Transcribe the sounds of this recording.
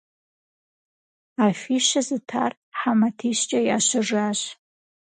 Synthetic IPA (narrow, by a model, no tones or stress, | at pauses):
afiʃazɨtʰa̰r | ħamatʰiʃt͡ʃʼajaʃʷɪʐaʒʷ